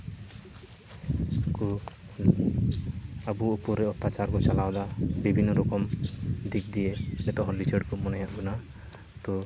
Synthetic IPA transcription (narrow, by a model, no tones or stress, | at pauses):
ku | abuupɔɾeɔt̪ːat͡ʃaɾkɔt͡ʃalawd̪abibʱinːɔɾɔkɔmd̪ʱikd̪ienɛt̪ɔɦɔ̃lit͡ʃəɖkumɔnɛjaʔbuna | t̪ɔ